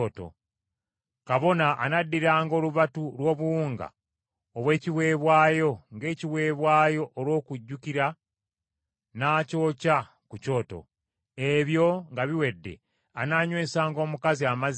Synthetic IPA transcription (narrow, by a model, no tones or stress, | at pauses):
to̰ | kaβo̞naʔːnadːiɾaːŋɡo̞ːluβatulwo̞ːβuwuːŋɡa̰ | oβwe̞ːciwe̞ːβwaːjo̞ŋɡe̞ːciwe̞ːβwaːjo̞ʔolwo̞ːkuɟːukiɾa | naːco̞ːca | kuco̞ːto̞̰ | eβjo̞ŋɡaβiwe̞dːe̞̰ | anaɲwe̞ːsaːŋɡo̞ːmukaziamaz